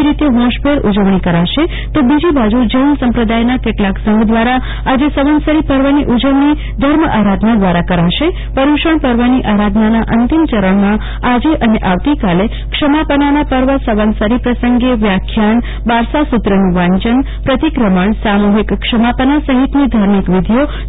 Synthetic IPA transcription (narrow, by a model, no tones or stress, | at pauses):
iɾit̪eɦɔ̃ʃbʱeɾud͡ʒəʋɳ̃ikəɾaʃe | t̪obid͡ʒibad͡ʒud͡ʒənsəmpɾəd̪ajnakeʈlaksə̃ŋɡd̪ʋaɾa | ad͡ʒesəʋənsəɾipəɾʋəniʔud͡ʒəʋɳi | d̪ʱəɾməaɾad̪ʱnad̪ʋaɾakəɾaʃe | pəɾuʃəɳpəɾʋəniʔaɾad̪ʱnanaʔənt̪imt͡ʃəɾəɳmã | ad͡ʒeʔəneʔaʋt̪ikale | kʂəmapənanapəɾʋəsəʋənsəɾipɾəsəŋɡeʋjakʰjaɳ | baɾsasut̪ɾənuʋãɲt͡ʃəɳ | pɾət̪ikɾəməɳsamuɦikːkʃəmapənasəɦit̪nid̪ʱaɾmikʋid̪ʱijo